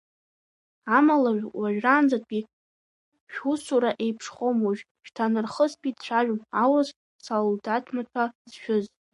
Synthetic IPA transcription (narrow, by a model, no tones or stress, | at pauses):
amalaʒᶣwaʒᶣraːnd͡zatʼɡʲi | ʃᶣusuɾaʔe̞jpʰʂχʷomuʒᶣ | ʃtʰanɨrχəspʰʼitʰʼt͡ɕʷʰaʒᶣʊnawas | saldatʰmat͡ʃʰazʃᶣʏz